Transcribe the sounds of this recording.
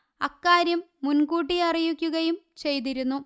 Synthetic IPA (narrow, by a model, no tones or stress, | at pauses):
ɐkːaːɾjɐmːunɡuːʈːiɐrijukʲːuɣɐjum | t͡ɕe̞jt̪̬iɾunːu